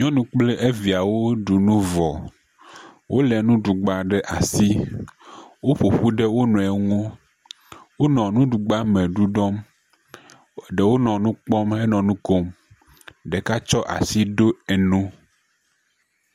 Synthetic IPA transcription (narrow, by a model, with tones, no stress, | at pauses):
ɲɔ̃˦nũ˦k͡ple˦ʔe˦vi˨a˨wo˦ɖu˨nũ˦vɔ˨ | wʔo˦lɛ˨nũ˦ɖu˨ɡ͡ba˨ɖɛ˦ʔa˨si˦ | wo˦ɸo˨ɸu˦ɖe˦wo˦nɔ̃˨ɛ˨ŋũ˦ | wo˦nɔ̃˨nũ˦ɖu˨ɡ͡ba˦mɛ̃˨ɖu˦ɖɔ˦m | ɖe˨wo˦nɔ̃˨nũ˦k͡pɔ˦me˦nɔ̃˨nũ˦ko˦m | ɖɛ˨ka˦t͡ʃɔ˦ʔa̰˨si˦ɖo˦e˨nũ˦